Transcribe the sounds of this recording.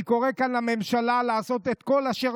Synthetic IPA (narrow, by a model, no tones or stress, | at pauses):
ko̞ʁekanhame̞mʃalalaːso̞t̪et̪ko̞laʃe